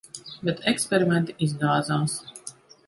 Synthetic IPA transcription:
bɛt̪ɛkspʲɛɾimʲɛnt̪iizɡ̪aːd̪zaːs

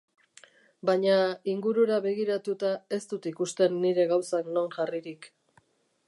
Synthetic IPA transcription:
baɲaiŋɡuɾuɾaβe̞ɣ̞iɾat̪ut̪ae̞st̪ut̪ikust̪e̞nːiɾe̞ɣawsakno̞nʝariɾik

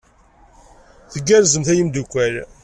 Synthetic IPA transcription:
θəɡːæɾzəmθæjəmd̪ukʷːæl

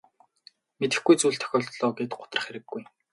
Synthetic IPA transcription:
met̪ɘ̆xɡujt͡suːɮt̪ʰœ̥xʲɔːɮt̪ɮɔːɡet̪ɢʊ̥t̪ə̆rə̆χxeɾɘ̆ɡːuj

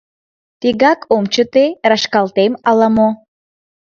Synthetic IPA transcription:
t̪iɣɑkomt͡ɕət̪erɑʃkɑlt̪emɑlɑmo

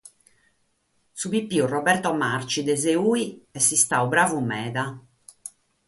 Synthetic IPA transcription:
suβipːiːurɔbɛɾt̪ɔmaɾt͡ʃid̪ɛzeuːiɛsːist̪aubɾaːvumɛːða

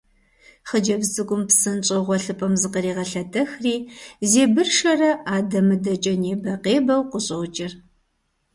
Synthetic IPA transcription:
χəd͡ʒɐbzɨɡʷʼʊmpsɨnt͡ʃʼɐʁʷɔɬɨpʼɐmzɨqəɾiːʁɐɬɐdʰɐxriːzeːbɨrʃɐrɐʔaːdɐmɨdɐt͡ʃʼɐneːbɐqeːbɐwqʷʊɕʼɐwt͡ʃʼɪr

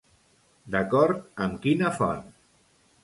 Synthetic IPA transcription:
d̪əkɔɾt̪̚əmkinəfɔ̰n

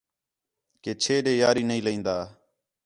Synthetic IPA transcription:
keːt͡ʃʰeːɗẽːjaːɾiːnəĩːləĩːnd̪aː

